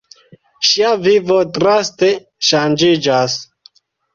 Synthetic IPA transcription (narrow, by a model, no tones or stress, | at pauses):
ʃiavivot̪ɾast̪e | ʃand͡ʒid͡ʒas